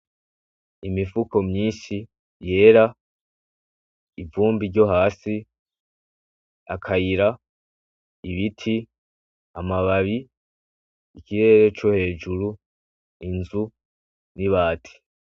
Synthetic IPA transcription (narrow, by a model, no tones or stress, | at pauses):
imifuko̞mɲiːnʃi | je̞ːɾa | ivuːmbiɾɟo̞ɦaːsi | akʰajiɾa | iβitʰi | amaβaβi | ikiɾe̞ɾet͡ʃohe̞ːd͡ʒuɾu | inzu | niβaːtʰi̥